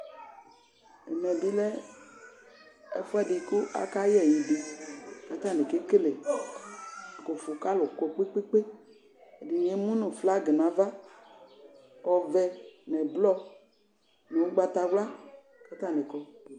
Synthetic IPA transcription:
ɛ̰˨mɛ˨bi˦lɛ˦ | ɛ˨fu˦a˦di˨ku˦ʔa̰˦ka˦jɛ˨je˨di˨ka˨˦t̪a˦˨ne˨ke˦ke˦le˨ | ko˨fu˨ka˦lo˨kɔ˨k͡pe˦k͡pe˦k͡pe˦˨ | di˨ɲe˦mũ˦nũ˨fla˦ɡe˨nã˨va˦ | ɔ˨vɛ˧nɛ˨blɔ˦ | ne˨u˦ɡ͡ba˧t̪a˧˨wla˦ | ka˦t̪a˦˨ne˨kɔ˦

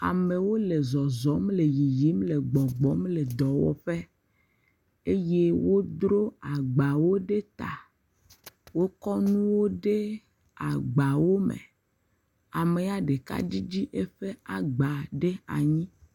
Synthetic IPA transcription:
a̰˨me˨wo˦le˨zɔ˨zɔ˨˦mle˨ji˨ji˨˦mle˨ɡ͡bɔ˨ɡ͡bɔ˨˦mle˨d̪ɔ˨wɔ̰˦ɸe˦ | e˦je˦wo˦d̪ɾo˦a˨ɡ͡ba˨wo˦ɖe˦t̪a̰˨ | wo˦kɔ˦nũ˦wo˦ɖe˦ | a˨ɡ͡ba˨wo˦mḛ˨ | a˨me˨a˨ɖe˨ka̰˦d͡ʑi˦d͡ʑi˦ʔe˦ɸe˦a˨ɡ͡ba˨ɖe˦a̰˨ɲĩ˦

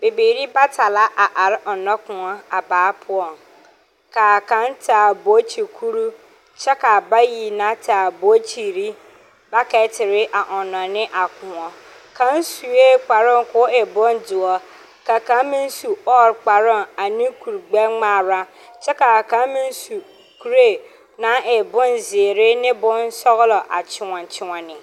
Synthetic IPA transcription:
be˨beː˨ɾi˦ba˦tʰa˨la˦ʔa˨ʔa˨ɾʔɔ˨nɔ̃˦kʊ̃˨ɔ˦a˨baː˨˦pʰʊ˦ɔ˨n | kʰaː˨kʰã˨˦ntʰaː˨bo˨˦t͡ɕʰi˨kʰu˦ɾu˦ | t͡ɕʰɛ˦ka˨ba˦ji˨nã˦tʰaː˨bo˨˦t͡ɕʰi˨ɾi˦ | ba˦kʰɛ˨˦tʰɪ˨ɾɪ˦ʔa˨ʔɔ˨nɔ̃˨nɪ̃˦ʔa˨kʰʊ̃˨ɔ˨ | kʰã˦n˦su˨e˦k͡pa˨ɾʊ̃˦˨ŋ˨kʰʊ˦ɛ˨bɔ̃˦ndʊ˨ɔ˨ | ka˨kã˦mɪ̃˦n˦su˨ɔ˦ɾk͡pa˨ɾʊ̃˦˨a˨nĩ˦kʰu˨ɾɡ͡bɛ˦ŋ͡maː˨ɾa˦ | t͡ɕʰɛ˦ka˨a˨kã˦mɪ̃˦n˦su˨ | kʰu˦ɾe˦˨ | nã˨˦ɛ˨bʊ̃˦n˨zɪ˨e˨ɾɪ˦nɪ̃˦bʊ̃˦n˦sɔ˦ɣlɔ˨ʔa˨t͡ɕʰɪ˨wɔ̃˨n˨t͡ɕʰɪ˦wɔ̃˨nɪ̃˨

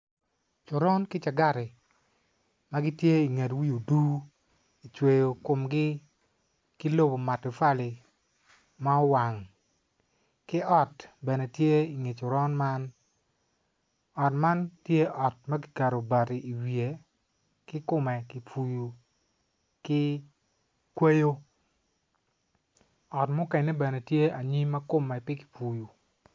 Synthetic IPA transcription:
t͡ʃʊ˨ɾɔ˦nkɪ˦t͡ʃa˨ɡa˦ɾɪ˨ | ma˦ɡɪ˦tje˦i˨ŋe˨twi˦o˨du˦ | i˨t͡ʃwe˨jo˨kʊ˨mɡɪ˦ | ki˦lo˦bo˨ma˨tʊ˨fa˦lɪ˨ | ma˦ɔ˦wa˨ŋ | kɪ˦ɔ˦tbɛ˨nɛ˨tje˦i˨ŋe˨t͡ʃʊ˨ɾɔ˦nma˦n | ɔ˨tma˦ntje˦ʔɔ˨t̚mɐ˦ki̥˨ka˨ɾo˨ba˨ti˨ʔi˨wije˨ | kɪ˦kʊ˦mɛ˨ki˨pu˨ju˨ | kɪ˦ | kwe˦jo˦ | ɔ˨tmʊ˦kɛ˨nɛ˦bɛ˨ne˨tje˦a˨ɲi˦mɐ˦kʊ˦mɛ˨pɪ˦ki̥˨pu˨ju˨

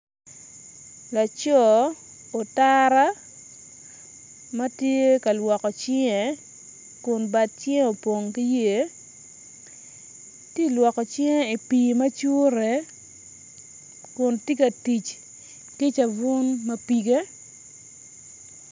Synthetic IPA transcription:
la˨t͡ʃɔ˦ | o˨ta˦ɾa˦ | ma˦tje˦ka˨lwɔ˨kɔ˨t͡ʃɪ˦ɛ˨ | kʊ˨nba˨t̪̚t͡ʃɪ˦e˦o˨po˨ŋki˦je˦˨ | ti˦˨lwɔ˨kɔ˨t͡ʃɪ˦e˦i˨piː˨mɐ˦t͡ʃu˦ɾe˨ | kʊ˨nti˦kɐ˨ti˨t͡ʃ | ki˦t͡ʃa˨vʊ˦nmɐ˦pi˦ɡe˦

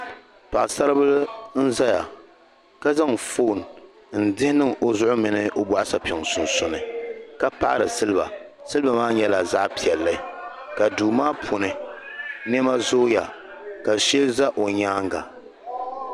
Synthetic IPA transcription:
pa˨ʔsa˦ɾɨ˦bɨ˦ln̩˦za˦ja˨ | ka˦za˦ŋfo˦˨n˨ | n̩˨dɪ˦hɪ˦nɨ˦ŋo˨zʊ˦ʔʊ˦mɨ˨nɨ˦ʔo˦bɔ˨ʔa˦sa˨pɪ˨ŋsʊ˨nsʊ˨nɨ˨ka˦pa̰˦ʔɾɨ˨sɨ˦lɨ˦ba̰˨ | sɨ˦lba˨maː˦ɲɛ˦la˨za˦ʔpi˨ɛ˨lːɨ˦ | ka˨duː˨maː˦pʰʊ˨nɨ˨ | n˦ɛ˦ma˦zoː˦ja˨ | ka˨ʃɛ˦lza˦ʔo˨ɲaː˦ŋ˦ɡa̰˨

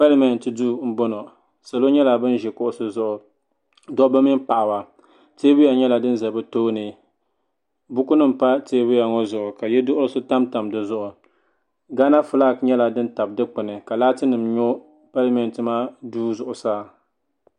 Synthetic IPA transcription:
pa˦li˦mɛ˨n˨tɨ˨duː˦m̩˦bo˦no˨ | sa˨lo˦ɲɛ˦la˨bɨ˦n˦ʒɛ˨kʊ˦ʔʊ˦sɨ˦zʊ˦ʔʊ˨ | dɔ˦bɨ˦mi˦m˦pa˨ʔa˨wa˨ | teː˦bʊ˦ja˨ɲɛ˦la˨dɨ˦n˦za˨bɨ˦toː˦nɨ˨ | bʊ˦ku˦nɨ˦m̩˨pa˦teː˦bɨ˦ja˨ŋɔ˦zʊ˨ʔʊ˨ka˨jɛ˦dʊ˦ʔʊ˦lɨ˦sɨ˦ta˦mta˨mdɨ˨zʊ˦ʔʊ˨ | ɡa˦na˦fʊ˦la˦kɲɛ˦la˨dɨ˦nta˨b̚dɨ˦k͡pʊ˨nɨ˨ka˨laː˦tɨ˦nɨ˨mɲo˦ | pa˦lɪ˦mɛ˨n˨tɨ˦ma˦duː˦zʊ˨ʔʊ˨saː˦˨

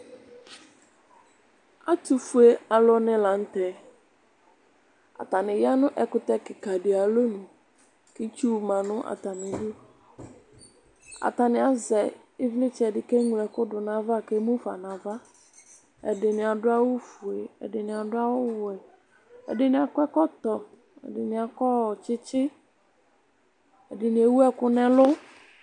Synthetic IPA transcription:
a˦tu˨fu˨e˦a˨lɔ˦nɪ̃˦la˨n̩˦tɛ˦ | a̰˨ta˨nɪ̃˨ja˦nʊ̃˦ʔɛ˨kʊ˦tɛ˦kɪ˨ka˨dɪ˨a˨lo˦nʊ̃˨ | kɪ˦t͡ʃu˦˨mã˨nʊ̃˦ʔa̰˨ta˨nɪ̃˨dɪ˦ | a̰˨t̪a˨nɪ̃˨a˨zɛ˨ | ɪ˦vlɪ˦t͡ʃɛ˨dɪ˨kɛ˦ɲu˨lɛ˨kʊ˦dʊ˨nã˨va˦˨ke˦mũ˦fa˨nã˨va˦ | ɛ̰˨dɪ˨nɪ̃˨a˨dʊ˦a˦wʊ˦fʊ˨e˨ɛ̰˨dɪ˨nɪ̃˨a˨dʊ˦a˦wʊ˦wʊ˨ɛ˨ | ɛ̰˨dɪ˨nɪ̃˨a˨kʊ˦ɛ˦kɔ˦t̪ɔ˨ | ɛ̰˨dɪ˨nɪ̃˨a˨kɔ˦˨t͡ʃɪ˦t͡ʃɪ˦ | ɛ˨dɪ˨nɪ̃˨e˨wu˦ɛ˦kʊ˦nɛ̃˨lʊ˦

